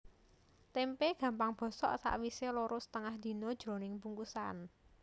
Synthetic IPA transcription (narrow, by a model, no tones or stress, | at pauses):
t̪empeɡ̥ä̤mpaŋb̥ɔ̤sɔ̰ʔsa̰ʔwiseloɾʊst̪əŋahd̪̥i̤nɔd̥ʒ̥ɾo̤nɪŋpuŋkusan